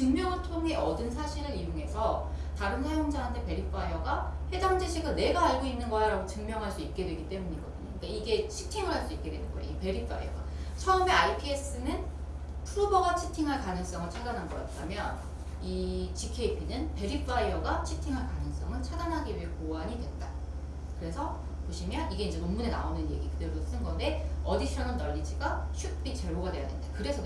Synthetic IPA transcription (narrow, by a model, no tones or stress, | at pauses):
t͡ɕɯŋmjʌŋɯɭtʰoŋɦe̞ʌdɯnsʰaɕʰiɾɯɾijoŋe̞sʰʌ | taɾɯnsʰajoŋd͡ʑaɦantʰe̞pe̞ɾip͈ʰaiʌɡahe̞daŋd͡ʑeɕʰiɡɯɭne̞ɡaaɭɡoinːɯnɡʌjaɾaɡot͡ɕɯŋmjʌŋɦaɭs͈uik̚k͈e̞dwe̞ɡit͈e̞muɲiɡʌdɯɲo̰kɯik͈aiɡe̞t͡ɕʰi̥tʰiŋɯɭɦaɭs͈uik͈̚e̞dwe̞̰nɯnɡʌ̰jḛpe̞ɾipʰa̰ḭʌ̰ɡa̰t͡ɕʰʌɯme̞aɭpʰes͈ɯnɯn | pʰuɾubʌɡat͡ɕʰi̥tʰiŋɦaɭkanɯŋs͈ʌŋɯɭt͡ɕʰadanɦanɡʌk͈a̰t̚t͈ʰamjʌn | it͡ɕikʰe̞ipʰinɯnpe̞ɾipʰaiʌɡat͡ɕʰitʰiŋɦaɭkanɯŋs͈ʌŋɯɭt͡ɕʰadanɦaɡiɥiɦekoaɲidwe̞nda | kɯɾe̞sʰʌ | poɕʰimjʌniɡe̞ind͡ʑe̞noŋmunena̰onɯnje̞̰ɡikɯdɯɾos͈ɯnɡʌnde̞ʌdiɕʰʌnɯnt͈ʌʎːid͡ʑiɡaɕʰuk̚p͈it͡ɕe̞ɾoɡadweja̰nendakɯɾe̞sʰʌ